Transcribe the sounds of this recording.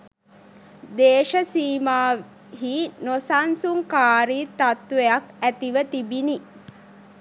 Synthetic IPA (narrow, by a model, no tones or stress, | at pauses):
d̪eːʃəsiːmaː | ɦinosansuŋkaːɾiːt̪at̪ʋejakæt̪iʋət̪ibini